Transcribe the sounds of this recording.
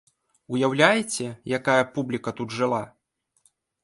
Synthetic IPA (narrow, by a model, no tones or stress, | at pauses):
ujawlʲajt͡sʲɛjakajɐpublʲikɐt̪ud̪ʐɨlˠa